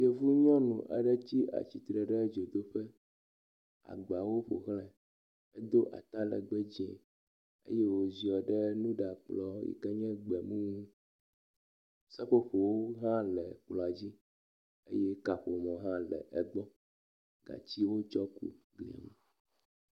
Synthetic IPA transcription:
je˨vu˦ɲɔ̃˦nṵ̃˨ʔɛ̰˨ɖɛ˦t͡ɕi˦ʔa̰˨t͡ɕi˨t̪ɾɛ˨ɖɛ˦d͡ʒo˨d̪o˦ɸɛ˦ | a̰˨ɡ͡ba˨wo˦ɸo̰˨ɣlɛ˦ | ɛ˦d̪o˦ʔa̰˨t̪a˦lɛ̰˨ɡ͡bɛ˦d͡ʑɛ̰̃˨ | ḛ˦je˦wo˨zi˨ɔ˨ɖɛ˦nũ˦ɖa˨k͡plɔ˦jḭ˨kɛ˦ɲɛ̃˦ɡ͡bɛ˨mũ˦ŋũ˦ | sɛ˦ɸo˦ɸo˨wo˦ɦã˦lɛ˨k͡plɔ˨a˨d͡ʑi˦ | ḛ˦jɛ˦ka˨ɸo˨mɔ̃˨ɦã˦lɛ̰˨ʔɛ˨ɡ͡bɔ˦ | ɡ̥a̰˨t͡ɕi˦wo˦t͡ʃɔ˦kṵ˦ | ɡlḭ˨a̰˨mṵ̃˨

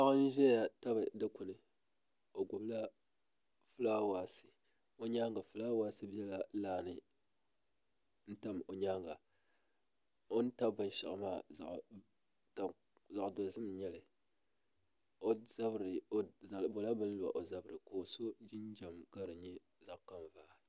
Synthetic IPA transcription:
a˦ɨ˦n̩˦ʒɛ˦a˨ta˦bɨ˨dɨ˦ku˨nɨ˨ | o˨ɡʷʊ˨bla˦ | fɨ˦laː˦waː˦sɨ̥˨ | o˦ɲaː˦ŋɡa˨fɨ˨˦laː˦waː˦sɨ˦bi˦ɛ˦la˨laː˦˨nɨ˨ | n̩˦ta˦mo˨ɲaː˦ŋɡa˨ | o˦n˦ta˦bbɨ˨n˦ʃa̰˨ʔmaː˦˨za̰˨ʔ | ta˨ | za˨ʔdo˨zɨ˦m˨ɲɛ˦lɨ˨ | o˦za˦bɾɨ˨˦˨bo˨la˦bɨ˦n˦la̰˨ʔo˨za˦bɾɨ˨koː˨so˦d͡ʒɪ˦nd͡ʒa˨mɡa˦ɾɨ˨ɲɛ˦ | za˦˨ʔka˦mvaː˦˨

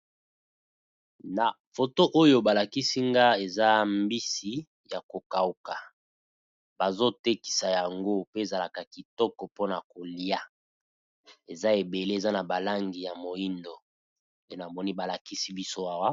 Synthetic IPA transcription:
na˨ | fo˨to˦ʔo˦jo˦ba˨la˨ki˦si˦ŋɡa˦e˨za˦mbi˦si˦ | ja˨ko˨ka˨u˨ka˨ | ba˨zo˦te˦ki̥˨sa˨ja˨ŋɡo˦pe˦e˨za˨la˨ka˨ki˨tɔ˦kɔ˨po˦na˨ko˨li˦a˨ | e˨za˦e˨be˨le˦e˨za˦na˨ba˨la˦ŋɡi˨ja˨mo˨i˦ndo˨ | ne˦na˨mɔ˦ni˦ba˨la˨ki˦si˦bi˦so˦a˦wa˦

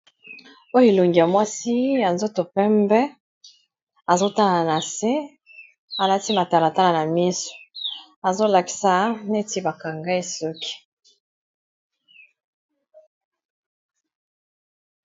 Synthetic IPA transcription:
o˦jo˦e˨lo˨ŋɡi˨ja˨mwa˦si˦ja˨nzo˦to˨pɛ˦mbɛ˦ | a˨zo˦ta˦la˨na˨se˦ | a˨la˦ti˦ma˨ta˨la˨ta˦la˨na˨mi˦so̥˨ | a˨zo˦la˨ki̥˨sa˨ne˦ti˦ba˨ka˨ŋɡa˦e˦so˦ki̥˨

